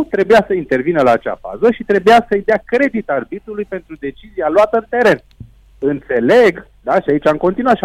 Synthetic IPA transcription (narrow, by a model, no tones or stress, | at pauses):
t̪ɾe̞bujasəint̪e̞rvinəlaːt͡ʃa̰fa̰zəʃit̪ɾe̞bujasəjd̪eakɾe̞d̪it̪arbit̪ɾulujpe̞nt̪ɾud̪e̞t͡ʃizialuat̪əɨnt̪e̞ɾe̞n | ɨnt̪se̞le̞ɡ | d̪aʃiait͡ʃʲamko̞nt̪inuaʃ